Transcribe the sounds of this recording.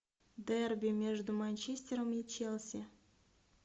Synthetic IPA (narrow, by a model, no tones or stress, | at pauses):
d̪erbʲimʲeʐd̪umanʲt͡ɕesʲt̪ʲeɾəmet͡ɕelˠsʲe